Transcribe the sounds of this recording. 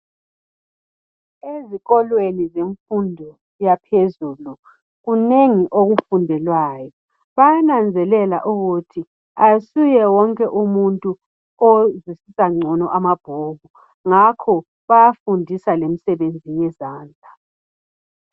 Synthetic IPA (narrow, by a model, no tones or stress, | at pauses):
eziɣɔlwenizeɱfundʱɔ | japʰezuːlu | ɣuneŋiʔoɣufundʱɛlwaːjɔ | βajanand͡zʱɛlɛla̰ʔuɣutʰi | asujɛwɔŋkʼɛʔumuntʼu | ozisisaŋ͡ǀʱɔnɔʔamab̥ʱoːβu | ŋakʰɔ | βajafundʱisalem̩sɛβend͡zʱijɛzaːnd͡ɮʱa